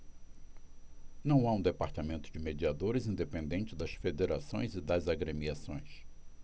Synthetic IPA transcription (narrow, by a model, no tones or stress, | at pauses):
nɐ̃w̃aũd̪epaɾt̪amẽnt̪ʊd͡ʒɪmed͡ʒiad̪oɾɪzĩnd̪epẽnd̪ẽnt͡ʃɪd̪ɐsfed̪eɾasõ̰j̃zɪd̪ɐzaɡɾemiasõj̃s